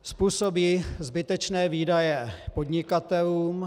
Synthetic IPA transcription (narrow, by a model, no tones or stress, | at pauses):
spuːso̞biːzbɪt̪ɛt͡ʃnɛːviːdajɛpo̞dɲɪkat̪ɛluːm